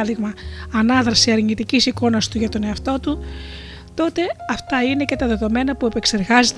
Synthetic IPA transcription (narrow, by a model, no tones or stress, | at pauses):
ðiɣmɐɐnɐðɾɐsiɐɾɲit̪icisiko̞nɐst̪uʝɐt̪o̞ne̞ɐft̪o̞t̪u | t̪o̞t̪e̞ɐft̪ɐine̞ce̞t̪ɐðe̞ðo̞me̞nɐpue̞pe̞kse̞ɾɣɐzet̪